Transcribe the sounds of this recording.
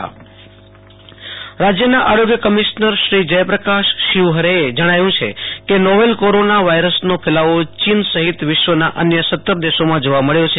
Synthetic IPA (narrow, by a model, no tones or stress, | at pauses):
ɾad͡ʒjənaʔaɾoɡjəkəmiʃnəɾʃɾid͡ʒəjpɾəkaʃːiʋɦəɾeed͡ʒəɽ̃aʋjũt͡ʃʰḛkenoʋelkoɾonaʋaiɾəsnopʰelaʋot͡ʃinsəɦit̪ʋɪʃʋənaʔənjəsət̪ːəɾd̪eʃomãd͡ʒoʋaməɭjot͡ʃʰe